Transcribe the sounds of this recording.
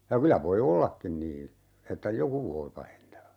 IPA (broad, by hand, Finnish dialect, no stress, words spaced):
jɑ kylæ ʋoi olːɑkːin niːn̞ etːæ joku ʋoi pɑhentɑː